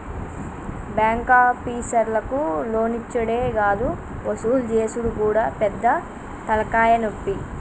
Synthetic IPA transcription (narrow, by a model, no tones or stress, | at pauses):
bjaːŋkaːpːiːsɐɾlɐkulo̞ːnit͡ʃːɐɽeːɡaːd̪u | ɐsuuld͡ʒeːsuɽukuːɽaːpɛd̪ːɐ | t̪ɐlɐkaːjɐnopːi